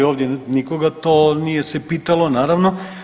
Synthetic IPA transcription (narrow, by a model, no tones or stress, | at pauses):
oːʋd̪jenikoɡat̪oːnijesepiːt̪alonaːɾaʋno